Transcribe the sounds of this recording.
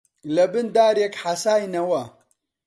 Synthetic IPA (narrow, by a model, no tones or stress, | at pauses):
lɐbɨnd̪aːɾjekħasaːjnɐwɐ